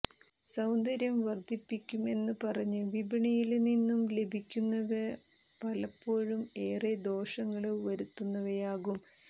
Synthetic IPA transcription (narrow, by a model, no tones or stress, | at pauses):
sɐwnd̪ɐɾjɐmʋɐrd̪ʱipːikʲːume̞nːɨpɐrɐɲːɨʋibʱiɳɐjilninːumle̞bʱikʲːunːɐðɐ | pɐlɐpːo̞ːɻume̞ːred̪o̞ːʂɐŋːɐɭʋɐɾut̪ːunːɐʋɐjaːɣum